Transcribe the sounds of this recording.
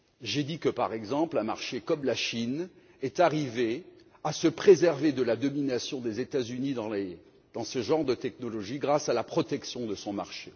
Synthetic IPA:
ʒed̪ikəpa̰ʁɛɡzɑ̃plɛ̃ma̰ʁʃekɔmlaʃin | ɛt̪aʁive | asəpχezɛʁved̪əlad̪ɔminasjɔ̃d̪ezet̪azynid̪ɑ̃le | d̪̥ɑ̃səʒɑ̃ʁd̪ət̪ɛknɔlɔʒiɡʁasalapχɔt̪ɛksjɔ̃d̪əsɔ̃maʁʃe

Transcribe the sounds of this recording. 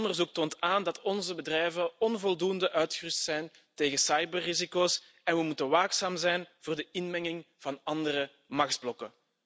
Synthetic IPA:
ndərzuk̚toːntaːndɑtɔnzəbədrɛjvəɔnvɔlˠdundəʔœɥtxərʏstsɛjn | teːɣəsɑjbərːizikoːs | ɛnʋəmutənʋaːksaːmzɛjnv̥ʊːrdəɪnmɛŋɪŋ | v̥ɑnɑndərə | mɑxdblɔkə

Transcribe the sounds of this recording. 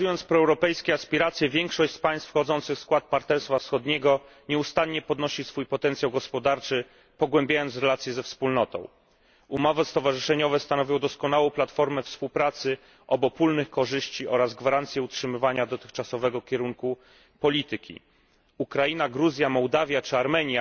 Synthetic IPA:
ujɔnt̪spɾɔɛwɾɔpɛjskʲɛaspʲiɾat̪sʲjɛvʲjɛŋkʂɔɕt͡ɕspaj̃st̪fxɔd̪zɔnt̪sɘxskwat̪̚paɾt̪ɛɾst̪fafsxɔd̪ɲɛɡɔ | ɲɛust̪anɲɛpɔd̪nɔɕisfujpɔt̪ɛnt̪sʲjawɡɔspɔd̪aɾt͡ʂɘ | pɔɡwɛmbʲjajɔnt̪sɾɛlat̪sʲjɛzɛfspulnɔt̪ɔ̰̃w̃ | umɔvɛst̪ɔvaʐɘʂɛɲɔvɛst̪anɔvʲjɔ̃w̃d̪ɔskɔnawɔ̃w̃plat̪fɔɾmɛfspuwpɾat̪sɘ | ʔɔbɔpulnɘxkɔʐɘɕt͡ɕiɔɾazɡvaɾant̪sʲjɛutʂɘmɘvaɲad̪ɔt̪ɘxt͡ʂasɔvɛɡɔkʲɛɾuŋku | pɔlʲit̪ɘkʲḭ | ukɾajinaɡɾuzʲjamɔwd̪avʲjat͡ʂɘaɾmɛɲja

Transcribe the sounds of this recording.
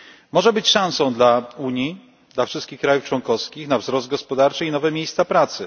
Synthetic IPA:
mɔʐɛbɘt͡ɕʂãw̃sɔ̃w̃d̪lauɲji | d̪lafʂɘst̪kʲixkɾajuft͡ʂwɔŋkɔfskʲixnavzɾɔsd̪̚ɡɔspɔd̪aɾt͡ʂɘinɔvɛmʲjejst̪sapɾat̪sɘ

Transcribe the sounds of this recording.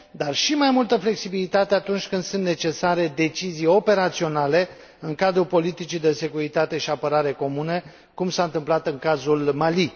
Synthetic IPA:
d̪arʃimajmult̪əfle̞ksibilit̪at̪eat̪unt͡ʃʲkɨnd̪sunt̪net͡ʃe̞saɾe̞d̪e̞t͡ʃizijo̞pe̞ɾat̪sio̞nale̞ | ɨŋkad̪ɾupo̞lit̪it͡ʃid̪e̞se̞kuɾit̪at̪e̞ʃiapəɾaɾe̞ko̞munə | kumsaɨnt̪ɨmplat̪ɨŋkazulmali

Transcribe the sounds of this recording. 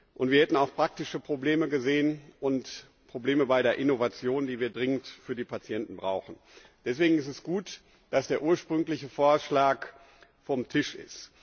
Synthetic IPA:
ʔʊntv̥iɐhɛtn̩aʊxpʁ̥ak̚tɪʃəpʁ̥obleːməɡəzeːənʔʊnt | pʁ̥obleːməbaɪɾeːɐʔɪnovat͡sjoːndiːviːɐdʁɪŋəntfyːɐdiːpat͡sjɛntn̩bʁaʊxn̩ | d̥ɛsv̥eːɡŋ̩ɪstɛsɡ̥uːt | d̥asd̥eːɐʔuːɐʃpʁ̥ʏŋklɪçəfoːɐʃlaːk | fɔmtʰɪʃɪ̰st

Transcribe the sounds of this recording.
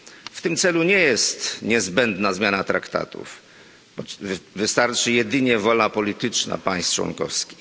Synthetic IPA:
ft̪ɘmt̪sɛluɲɛjɛst̪ɲɛzbɛnd̪nazmʲjanat̪ɾakt̪a̰t̪ṵf | bɔvɘst̪aɾt͡ʂɘjɛd̪ɘɲɛvɔlnapɔlʲit̪ɘt͡ʂna̰paj̃st̪t͡ʂwɔ̰nkɔ̰fskʲi̥x

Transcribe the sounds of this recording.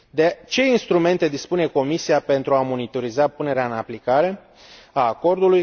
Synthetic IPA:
d̪et͡ʃe̞inst̪ɾume̞nt̪e̞d̪ispune̞ko̞misiape̞nt̪ɾuamo̞nit̪o̞ɾizapune̞ɾeaɨnaplikaɾe̞ | aːko̞rd̪uluj

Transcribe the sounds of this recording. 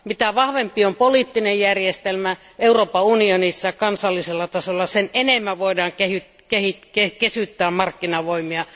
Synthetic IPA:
mit̪æʋɑhʋempiompoliːˑt̪ːinejjærjest̪elmæ | euroːpɑunionisːɑɑkɑnsɑlːiselːɑt̪ɑsolːɑsenenemːæʋoidɑːŋkehyt | kehit̪kekesyt̪ːæːmmɑrkːinɑʋoimiɑ

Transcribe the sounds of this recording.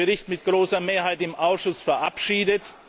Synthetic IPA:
əʁɪçtmɪt̚ɡ̥ʁoːsɐmeːɐɦaɪtɪmʔaʊsʃʊsfɛɐʔapʃiːdət

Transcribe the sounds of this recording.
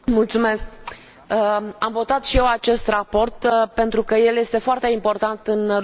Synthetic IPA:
mult̪sume̞sk | əamvo̞t̪at̪ʃije̞wat͡ʃe̞st̪rapo̞rt̪pe̞nt̪ɾukəje̞lje̞st̪e̞foart̪e̞impo̞rt̪ant̪ɨn

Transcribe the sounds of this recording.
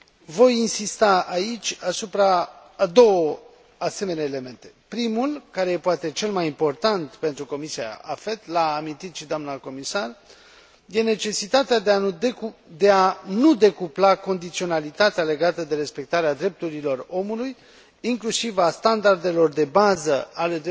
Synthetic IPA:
vo̞jinsist̪aait͡ʃʲasupɾa | d̪o̞wə | ase̞me̞neaele̞me̞nt̪e̞pɾimulkaɾeje̞poat̪e̞t͡ʃe̞lmajimpo̞rt̪ant̪pe̞nt̪ɾuko̞misia̰a̰fe̞t̪laːmint̪it̪ʃid̪oamnəko̞misar | je̞ne̞t͡ʃe̞sit̪at̪ea | d̪e̞anud̪e̞kuplako̞nd̪it̪sio̞nalit̪at̪eale̞ɡat̪əd̪e̞ɾe̞spe̞k̚t̪aɾead̪ɾe̞p̚t̪uɾilo̞ro̞muluj | iŋklusivast̪and̪ard̪e̞lo̞rd̪e̞bazəale̞d̪

